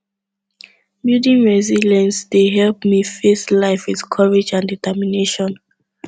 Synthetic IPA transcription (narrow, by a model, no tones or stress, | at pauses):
mjudĩnɹɛzilɛ̃nsdeɦɛlpmifeslaɪfwitkʰɔɹed͡ʒãnditɛmineʃɔ̃n